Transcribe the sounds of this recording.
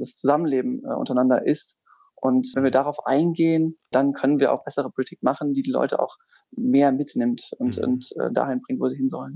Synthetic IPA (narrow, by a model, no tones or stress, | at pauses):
d̥ast͡suzamənleːbm̩ʔʊ̰ntɐaɪnandɐ̰ʔɪst | ʔʊntvɛnviːɐdaʁaʊfʔa̰ɪnɡeːənd̥ankʰœnənviːɐʔa̰ʊxb̥ɛsəʁ̞əpʰolitʰiːk̚maχn̩diːdiːlɔ̰ʏtəa̰ʊx | meːɐmɪtnɪmtʊntʊ̰ntɛ̰ːda̰ːhɪnbʁɪŋtvoːziːhɪnzɔ̰lən